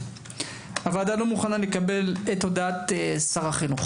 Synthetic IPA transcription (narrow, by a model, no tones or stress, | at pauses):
avad̪alo̞muχanale̞kabe̞let̪od̪aat̪esaʁaχinuχ